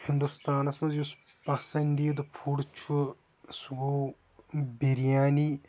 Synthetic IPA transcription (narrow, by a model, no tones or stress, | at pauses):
hɪnd̪ust̪aːnɐsmɐzjuspɐsɐnd̪iːd̪ɐpʰuɽt͡ʃʰu | suɡoː | biɾijaːni